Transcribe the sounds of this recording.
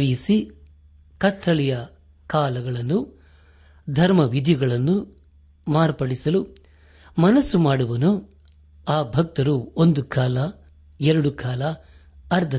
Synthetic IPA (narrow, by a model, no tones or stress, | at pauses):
ʋijisi | kɐtːɐɭijɐ | kaːlɐɡɐɭɐnːu | d̪ʱɐɾmɐʋid̪ʱjɐɡɐɭɐnːu | maːɾpɐɽisɐlu | mɐnɐsːumaːɽuʋɐnu | aːbʱɐk̚t̪ɐɾuond̪ukaːlɐ | ɛɾɐɽukʰaːlɐ | ɐɾd̪ʱɐ